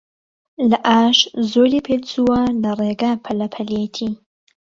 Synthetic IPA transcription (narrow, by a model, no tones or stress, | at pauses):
lɐʔaːʃzoɾipʰelt͡suwɐlɐreɡapʰɐlɐpʰɐliet̪ʰi